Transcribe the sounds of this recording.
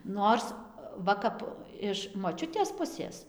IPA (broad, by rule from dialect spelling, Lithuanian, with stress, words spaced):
ˈnoːrs ˈʋɐ kɐp ɪʃ moːˈt͡ʃʲʊtʲeːs ˈpʊsʲeːs